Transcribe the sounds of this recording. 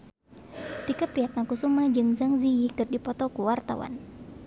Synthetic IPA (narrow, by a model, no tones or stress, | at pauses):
t̪ikapɾiɦat̪̚nakusumad͡ʒɨŋzaŋziikɨrdipɔt̪ɔkuwart̪a̰wa̰n